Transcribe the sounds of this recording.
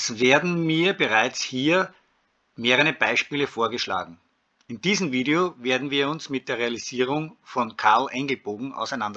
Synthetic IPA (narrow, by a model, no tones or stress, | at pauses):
sveːɐdn̩miːɐbəʁaɪt͡shiːɐ | meːʁəʁ̞əbaɪʃpiːləfoːɐɡəʃla̰ːɡŋ̩ | ɪndiːzm̩viːɾeoveːɐdn̩viːɐʊnsmɪt̚d̥eːɐʁealiziːʁ̞ʊŋfɔnkʰaɐlʔɛŋɡl̩b̥oːɡŋ̩ʔɑ̰ʊsænãndɐ